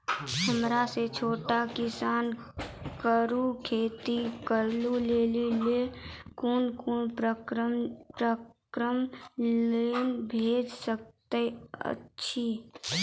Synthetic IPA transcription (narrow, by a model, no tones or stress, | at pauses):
həmɾaset͡ʃʰoːʈakɪsaːn | kəɾukʰeːt̪ikəɾluleːlilekuːnkuːnpɾə | pɾəkɾəm | eːnbʱeːd͡ʒsək̚t̪eə̰tːʃʰi